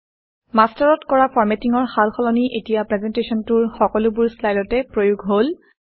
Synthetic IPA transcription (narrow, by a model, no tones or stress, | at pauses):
mastɔɹɔtkɔɹapʰɔɹmetiŋɔɹxalxʰɔlɔniʔetijapɹɛzɛntesɔntuɹxɔkɔlʊbuɹslajdɔtɛpɹojuɡʱɦol